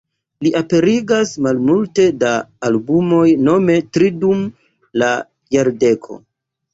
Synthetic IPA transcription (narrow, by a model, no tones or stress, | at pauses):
liʔape̞ɾiɡasmalmulte̞daːlbumo̞jno̞me̞tɾidum | la | jaɾde̞kʰo̞̰